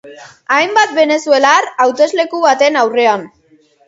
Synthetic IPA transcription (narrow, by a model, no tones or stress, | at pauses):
ajmbat̪̚be̞ne̞sue̞larawt̪e̞zle̞kuβat̪e̞nawre̞an